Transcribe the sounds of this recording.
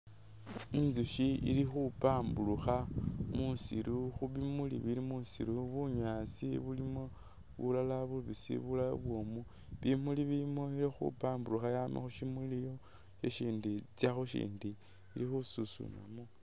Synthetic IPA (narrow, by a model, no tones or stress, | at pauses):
inzuʃiḭlixupaːmbuluxamusḭɾʔuxuβimulḭβilimusḭɾuβuɲaːt͡siβulimo | βṵlalaβuβisḭβulajo̰βwomu | βimuliβimoiɾixṵpaːmbuluxajaːmḭxuʃimulijo̞ | ʃeʃiːndit͡sjaxuʃḭːndi | ilixususṵna̰mo